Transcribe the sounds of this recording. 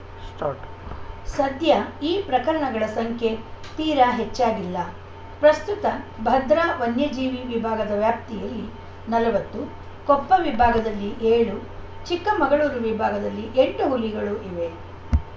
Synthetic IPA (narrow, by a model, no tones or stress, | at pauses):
sʈː | sɐd̪ʱjɐiːpɾɐkɐɾɐɳɐɡɐɭɐsɐŋkʰje̞t̪iːɾɐɦet͡ʃːaːɡilːɐ | pɾɐst̪ut̪ɐbʱɐd̪ɾaʋɐnjɐd͡ʒiːʋiʋibʱaːɡɐd̪ɐʋjaːp̚t̪ijɐlːi | nɐlɐʋɐt̪ːu | kɔpːɐʋibʱaːɡɐd̪ɐlːiʔeːɭu | t͡ʃikːɐmɐɡɐɭuːɾuʋibʱaːɡɐd̪ɐlːiʔeɳʈuɦulːiɡɐɭuʔiʋe̞